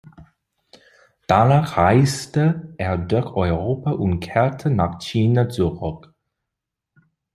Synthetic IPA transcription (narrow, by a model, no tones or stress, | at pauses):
d̥anaːχʁaɪstəʔeːɐdʊɐçɔʏʁoːpaʔʊntkʰɛɐtʰənaːχt͡ʃiːnat͡suʁɔk